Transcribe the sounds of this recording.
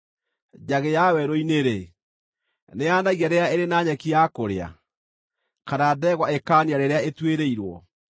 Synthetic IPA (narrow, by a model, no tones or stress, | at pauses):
d͡ʑaɣejawɛɾoineɾe | neaːnaɣiaɾeaeɾenaɲɛkiakoɾea̰ | kaɾadɛɣwaekaniaɾeɾeaetweɾeiɾwɔ̰